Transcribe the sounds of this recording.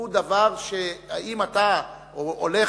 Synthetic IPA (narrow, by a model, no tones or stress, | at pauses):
ud̪avaʁʃeaimat̪a | oole